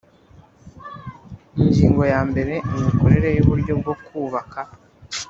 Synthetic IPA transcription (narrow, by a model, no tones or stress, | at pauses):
iɲɟiːŋɡo̞jaːmbe̞ɾe̞imiko̞ɾe̞ɾe̞juβuɾɟo̞bɡo̞kuːβakʰa